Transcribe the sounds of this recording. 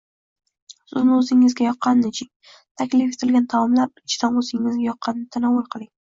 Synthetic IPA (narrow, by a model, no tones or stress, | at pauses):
sʊznɪɵzɪŋɪzɡʲajɒqʰːɑnːɪt͡ʃʰɪŋ | t̪ʰakʲlife̞t̪ʰɪlɡʲant̪ʰawɒmlaɾɪt͡ʃʰɪd̪anɵzɪŋːɪzɡʲajɒqʰːɑnɪnɪt̪ʰanawːʊlˠqʰɨlˠɪŋ